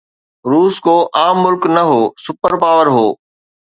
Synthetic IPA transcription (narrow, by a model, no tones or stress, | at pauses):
ɾuːskoːʔaːmːʊlknɐɦoːsʊpəɾpaːʋəɾɦoː